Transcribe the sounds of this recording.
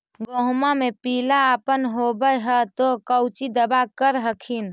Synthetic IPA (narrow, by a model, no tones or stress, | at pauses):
ɡoɦmamepilaəpənɦobəjɦət̪okəwt͡ʃid̪əbakəɾɦəkʰin